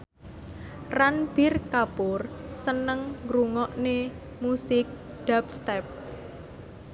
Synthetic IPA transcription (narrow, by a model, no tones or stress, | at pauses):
ranb̥ɪrkapʊrsənəŋɾuŋɔʔne | musɪk̚ | ɖ̪̥apst̪ɛp̚